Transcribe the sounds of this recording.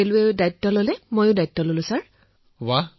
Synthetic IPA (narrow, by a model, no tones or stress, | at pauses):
elʊɛdajtːɔlolɛmojʊdajtːɔlolʊ̃saɹ | wa